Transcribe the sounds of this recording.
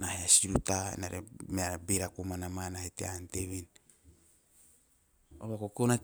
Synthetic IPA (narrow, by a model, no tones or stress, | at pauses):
naheasiɾutaḛnaɾemeabiɾakumanamanahetḛanteβin | oβakokona